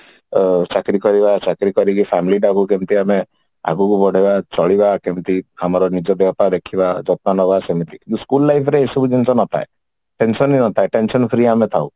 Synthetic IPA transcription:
t͡ʃakɾikɔɾibat͡ʃakɾikɔɾikipʰamiliʈ̬akukemt̪iame | a̰ɡukubʱɔɽ̤ʱebat͡ʃɔɭibakemt̪iamɔɾɔnid͡ʒɔbjɔpaɾd̪ekʰibad͡ʒɔt̪̚nanɔbasemit̪ikint̪uskulːajpʰɾeːsɔbud͡ʒensɔnɔt̪ʰa̰e | ʈensɔninɔt̪ʰaeʈensɔnpʰɾiamet̪ʰaw

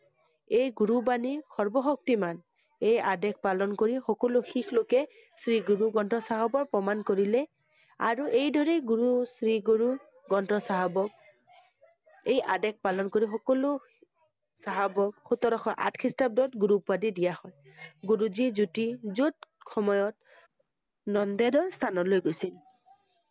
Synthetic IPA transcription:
ejɡuɹubanixɔɹbɔxɔk̚timan | ejadɛk̚ʰpalɔnkoɹixɔkɔlʊxikʰlokɛ | sɹiɡuɹuɡɔntɔsaɦɔbɔɹpɹɔmankoɹilɛ | a̰ɹuʔejdʱɔɹɛɡuɹusɹiɡuɹu | ɡɔntɔsaɦabɔk̚ | ejʔadɛk̚palɔnkoɹixɔkɔlʊ | saɦabɔk̚xut̪ɔɾɔxɔʔa̰tkʰistap̚dɔtɡuɹupwadidijahɔj | ɡuɹuzizutizutxɔmɔjɔt̚ | nɔndɛdɔɹst̪ʰanɔtlojɡojsil

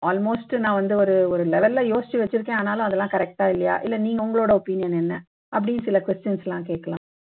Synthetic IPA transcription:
ʔaːlmoːsʈnãːʋɐnd̪ɯɔɾɯɔɾɯlɛʋɛlːajoːsɪt͡ʃːɯʋɛt͡ʃːɪɾɯkːẽːaːnaːlʊ̃ɐðɛlːãːkɐɾɛk̚ʈaːɪlːɐja̰ːʔɪ̰lːɛniːŋɡɐʊŋɡɐɭoːɽɐɔpɪnɪjɐnɛnːɐ | ʔɐp̬ːɐɽinsɪlɐkʋɛsʈɪjɐnslãːkeːʈkɐlã̰ː

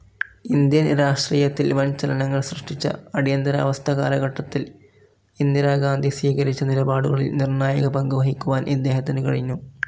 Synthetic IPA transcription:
ind̪jɐnɾaːʂʈriːjɐt̪ːilʋɐnt͡ɕɐlɐnɐŋːɐɭsrɨʂʈit͡ɕːɐ̰ɐɽijɐnd̪ɐɾɐɐ̰ʋɐst̪ʰɐɣa̰ːlɐɣɐʈːɐt̪ːil | ind̪iɾaːɡaːnd̪ʱisʋiːɣɐɾit͡ɕːɐnilɐbaːɽuɣɐɭḭlnirnaːjɐɣɐpɐŋɡuʋɐɦikʲːuʋaːnʔid̪ːe̞ːɦɐt̪ːinɨkɐɻiɲːu

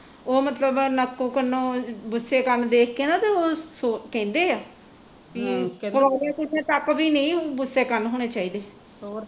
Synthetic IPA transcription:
oːmət̪ləbnəkːõːkənõːbʊsːeːkənd̪eːk̚ʰkeːnãːt̪eːoːsokɛ̃ːnd̪eːaː | pikəʋaːɾãːkʊʈʰẽːt̪əkbiːnəĩːbʊsːeːkənɦoːɽ̃eːt͡ʃaːiːd̪eː

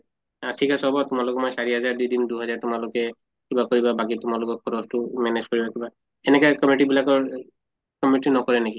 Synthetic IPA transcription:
atʰikasɔbɔtʊmalʊkɛmɔjsaɹiɦazaɹdidinduɦɔzaɹtʊmalʊkɛ | kibakoɹibabak̬itʊmalʊkɔkʰɔdɔstʊmɛnezkoɹibakiba | ɛnɛkɔkɔmiʈibilakɔɹ | kɔmitnɔkɔɹɛneki

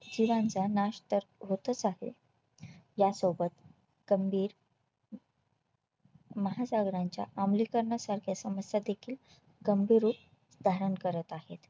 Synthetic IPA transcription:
d͡ʑiʋãnd͡zanaɕt̪əɾɦot̪ət͡saɦḛ | jasobət̪ | ɡ̥əmbʱiːɾ | məɦasaɡɾaɲt͡ɕja̰ʔamlikəɾɳasaɾkʰjasəməsjad̪ekʰiːl | ɡ̥əmbʱiɾuːp̚ | d̪ʱaɾəɳkəɾət̪ahḛt̪

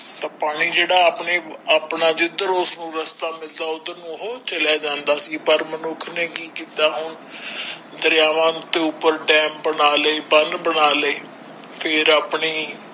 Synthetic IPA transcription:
t̪aːpaːɽ̃iːd͡ʒeːɽaːaːpɳeːaːpnaːd͡ʒɪd̪əɾʊsnũːɾəst̪aːmɪld̪aːʊd̪anũːɦoːt͡ʃəlaːd͡ʒãːnd̪aːsiːpəɾmənʊkʰnẽːkiːkiːt̪aːɦʊɳ | d̪əɾjaːʋãːt̪eːʊpːəɾɖɛːmbənaːləiːpənbənaːliː | pʰɪɾaːpɳiː

